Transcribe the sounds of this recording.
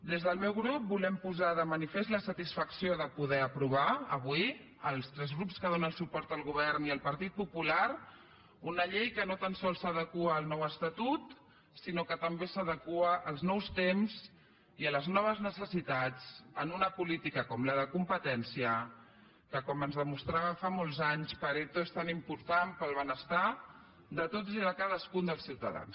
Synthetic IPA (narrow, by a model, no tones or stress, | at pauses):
d̪ezðəlˠmɛwɣɾup̚bulɛmpuzaðəmənifezt̪ləsət̪isfəksioðəpuðɛəpɾuβ̞aəβwi | əlˠst̪ɾɛzɣɾupskəðonə̃lsupɔɾt̪əlˠɣuβ̞ɛɾniəlˠpəɾt̪it̪̚pupulaɾ | unəʎejkənot̪ansɔlˠsəðəkuəːlˠnɔwəst̪at̪ut̪ | sinokət̪əmbesəðəkuəʔəlˠznɔwst̪emz | iələznɔβ̞əznəsəsit̪at͡sənunəpulit̪ikəkɔmləðəkumpət̪ɛnsiə | kəkɔmənzðəmust̪ɾaβəfamolˠzaɲspəɾet̪oest̪animpuɾt̪ampəlˠβənəst̪a | d̪ət̪oziðəkaðəskund̪əlˠsiwt̪ə̰ða̰ns